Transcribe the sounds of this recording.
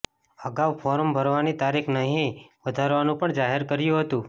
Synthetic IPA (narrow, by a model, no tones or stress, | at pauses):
əɡaʋfʰɔɾəmbʱəɾʋanit̪aɾikʰnəɦĩʋəd̪ʱaɾʋanũpəɳd͡ʒaɦeɾkəɾjũɦət̪ũ